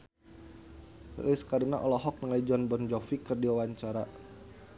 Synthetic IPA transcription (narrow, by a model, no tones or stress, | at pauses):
liskaɾinaʔɔlɔɦɔk̚nəŋlajd͡ʒɔnbɔnd͡ʒɔfikɨrdiwawaɲt͡ʃaɾa